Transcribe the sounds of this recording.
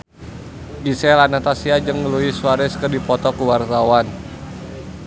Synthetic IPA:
ɡisɛlanat̪asiad͡ʒəŋːəluisuaɾɛskərdipɔt̪ɔkuwart̪awan

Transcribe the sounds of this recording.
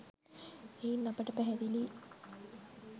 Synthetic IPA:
einːɐpəʈəpæɦæd̪ili

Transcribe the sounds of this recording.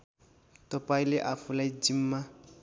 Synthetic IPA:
tɔpailɪʔafʊlaidim̩ma

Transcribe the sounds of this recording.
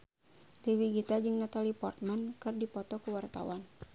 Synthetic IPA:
t̪iwiɡit̪ad͡ʒɨŋnat̪alipɔrt̪̚mankɨrdipɔt̪ɔkuwart̪a̰wan

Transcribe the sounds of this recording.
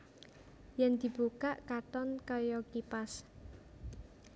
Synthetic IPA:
jɛnd̪̥i̤b̥ukaʔkat̪ɔnkɔjɔkipas

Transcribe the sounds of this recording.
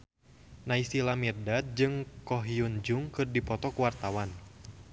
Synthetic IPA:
naisilamirdat̪̚d͡ʒɨŋkɔɦiund͡ʒuŋkɨrdipɔt̪ɔkuwart̪awan

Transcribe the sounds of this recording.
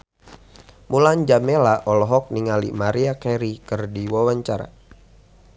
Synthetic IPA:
muland͡ʒamelaʔɔlɔɦɔk̚niŋalḭmaɾiakɛɾikɨrdiwawaɲt͡ʃaɾa̰

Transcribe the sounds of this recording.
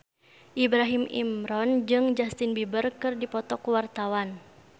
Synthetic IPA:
ʔibɾaɦimʔḭmɾɔnd͡ʒɨŋd͡ʒast̪ɪnbibərkɨrdipɔt̪ɔkuwart̪awan

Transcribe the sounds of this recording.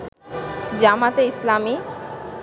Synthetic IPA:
d͡ʑamat̪eislami

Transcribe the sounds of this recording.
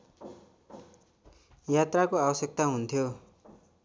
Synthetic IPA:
jat̪rakoabʌsjek̚t̪aɦunt̪ʰjo

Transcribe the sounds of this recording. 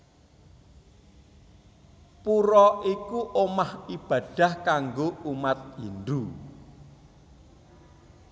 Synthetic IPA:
puɾɔʔikuʔomahib̥ä̤d̥ä̤hkaŋɡoumat̪̚jindu

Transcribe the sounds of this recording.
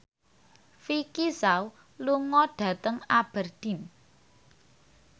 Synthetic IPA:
fikisaw | luŋɔɖ̥ä̤t̪əŋab̥ə̤rd̪̥i̤n

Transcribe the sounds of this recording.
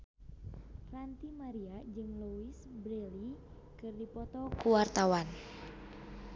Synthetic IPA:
rant̪imaɾiad͡ʒɨŋluisbɾeli | kɨrdipɔt̪ɔkuwart̪awan

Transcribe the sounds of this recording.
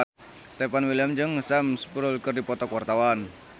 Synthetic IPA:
st̪epanwiləmɲd͡ʒəŋsamsə̥puɾʊlkərdipɔt̪ɔkwart̪awan

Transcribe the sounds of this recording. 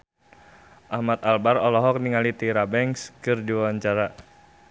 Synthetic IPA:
ʔahmat̪albaɾɔlɔɦɔk̚niŋalit̪iɾabɛŋskɨrdiwawaɲt͡ʃaɾa

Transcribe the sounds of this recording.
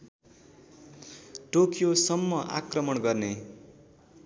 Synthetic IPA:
ʈokjosʌmːʌʔa̰krʌmʌnɡʌrne

